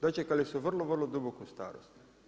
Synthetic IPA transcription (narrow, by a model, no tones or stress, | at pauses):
d̪at͡ʃekalisuʋrlˠoʋrlˠod̪ubokust̪a̰ːɾo̰st̪